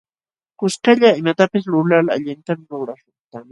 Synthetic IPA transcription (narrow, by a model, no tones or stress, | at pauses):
kʊskaʎaɪmat̪apɪs̬lʊlala̰ʎɪnt̪amɪɾʊɾaʃʊχt̪a